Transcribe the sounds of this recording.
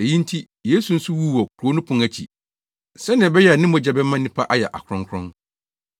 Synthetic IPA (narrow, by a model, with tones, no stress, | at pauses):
e˨jĩ˦n˦tʰi˦ | jeː˨˦su˨n̩˦sʊ˦wu˦˨wɔ˨kʰu˨ɾo˨˦nʊ̃˦pʰʊ̃˨ŋæ˨t͡ɕʰi˨ | sɛ˦nɪ̃˨bɛ˦jɛ˦a˨nɪ̃˦mɔ̃˨d͡ʑɛ˨bɛ˦mã˦nːĩ˦pʰa˦ʔa˦jɛ˨ʔa̰˨kʰʊ˨ɾʊ̃˦ŋkʰɾʊ̰̃˦n